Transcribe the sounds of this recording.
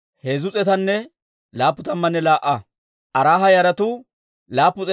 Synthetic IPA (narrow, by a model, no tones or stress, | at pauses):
heːzʊt͡sʼɛt̪ɐnːɛ | laːpːʊt̪ɐmːɐnːɛlaːʔːɐ | ʔɐɾaːɦɐjɐɾɐt̪ʊ | laːpːʊt͡sʼɛ